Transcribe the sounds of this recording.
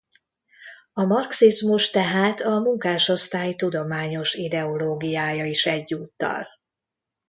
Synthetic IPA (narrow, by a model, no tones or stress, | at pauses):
ɒmɒrksizmuʃt̪ɛɦaːt̪ɒmuŋkaːʃo̞st̪aːjt̪ud̪o̞maːɲo̞ʃid̪ɛo̞loːɡijaːjɒiʃɛɟːuːt̪ːɒ̰l